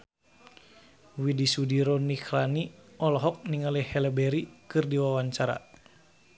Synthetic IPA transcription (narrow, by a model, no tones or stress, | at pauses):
widisudiɾɔniklaniʔɔlɔɦɔk̚niŋalɛhɛlɛbɛɾikɨrdiwawaɲt͡ʃaɾa̰